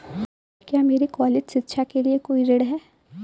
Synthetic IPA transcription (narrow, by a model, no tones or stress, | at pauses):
kjaːmeːɾikaːled͡ʒsɪt̪ːʃʰakeliekoːiɾeːɽɦɛː